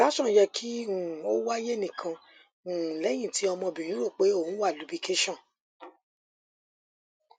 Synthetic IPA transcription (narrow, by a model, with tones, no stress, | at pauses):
la˨˦ʃɔ̃˦˨˦jɛ˧kʰi˦ũ˨o˦wa˦je˦nĩ˨kʰã˧ | ũ˨lɛ˨˦j̃ĩ˦˨ti˨˦ɔ˧mɔ̃˧bĩ˨j̃ĩ˦ɾo˦˨k͡pe˨˦o˦˨ũ˦wa˦˨lu˨˦bi˧ke˦ʃɔ̃˦˨